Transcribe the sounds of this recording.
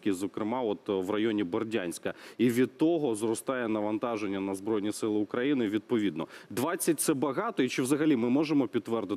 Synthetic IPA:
kʲizɔkɾɪmɑɔt̪ʋrɐjɔnʲibɔrdʲanʲsʲkɐiʋʲid̪̚t̪ːɔɦɔzrɔst̪ɑjɛnɐʋɐnt̪ɑʒenʲːɐnɐzbɾɔjnʲisɪlˠɪʊkɾɐjinɪʋʲid̪̚pɔʋʲid̪nɔd̪ʋɑt͡sʲːɐt̚ʲt̪sɛbɐɦɑt̪ɔit͡ʃɪwzɐɦɐlʲimɪmɔʒemɔpʲidt̪tːʋɛrd̪ɪ

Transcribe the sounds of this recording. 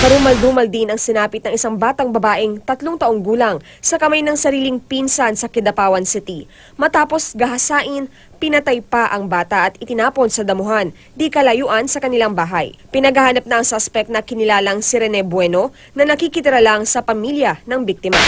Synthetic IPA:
kɐɾuːmɐld̪uːmɐld̪inɐŋsɪnaːpɪt̪̚nɐŋʔɪsaŋbaːt̪ɐŋbɐbaːʔɪŋt̪ɐt̪loŋt̪ɐʔoŋɡuːlɐŋ | sɐkɐmajnɐŋsɐɾiːlɪŋpinsɐnsɐkɪd̪ɐpaːwɐnsɪt̪i | mɐt̪aːpo̞sɡɐɦɐsaːʔɪn | pɪnɐt̪ajpaʔɐŋbaːt̪ɐʔɐt̪ɪt̪ɪnaːpo̞nsɐd̪ɐmʊɦan | d̪ikɐlɐjuːʔɐnsɐkɐnɪlaŋbaːɦɐjpɪnɐɡɐhaːnɐp̚nɐʔɐŋsaspɛk̚t̪̚nɐkɪnɪlaːlɐŋsɪɾɛnɛbwɛno̞ | nɐnɐkikɪt̪ɪɾɐlaŋsɐpɐmiljɐnɐŋbik̚t̪ɪma̰

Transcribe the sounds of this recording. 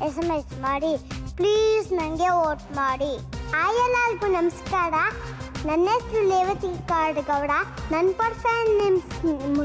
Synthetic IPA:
esɐmesʈmaːɽipliːsnɐŋɡeoːʈmaːɽiaːjɐlaːlɡunɐmskaːɽanɐnːesɾuleːʋɐt̪ikaːɾɖɡɐwɽanɐnpɐɾpɐjnnemsmu

